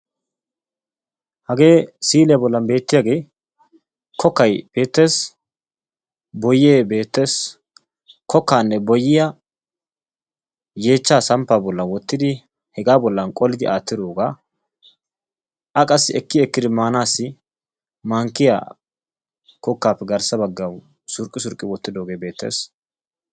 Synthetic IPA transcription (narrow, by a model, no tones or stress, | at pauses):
hɐɡe̞ːsiːlɛjabɔlːɐnbe̞ːt̪ːɪjaɡe̞ː | kʰɔkːɐjb̥e̞ːt̪ːe̞ːs | bɔjeːbe̞ːt̪ːe̞ːs | kʰɔkːaːnːɛbɔjːɪjɐ | je̞ːt͡ʃːaːsɐmpːaːbɔlːɐnwɔt̪ːɪd̪ɪ | hɛɡaːbɔlːɐnkʼɔlɪd̪ɪʔaːt̪ːɪd̪oːɡaː | ʔɐkʼɐsːɪɛkːɪɛkːɪd̪ɪmaːnaːsːɪ | maŋkːɪja̰ | kɔkːaːpːɛɡɐɾsɐbɐɡːɐw | sʊɾkʼːɪsʊɾkʼːɪwɔt̪ːɪd̪o̞ːɡe̞ːbe̞ːt̪ʰːḛːs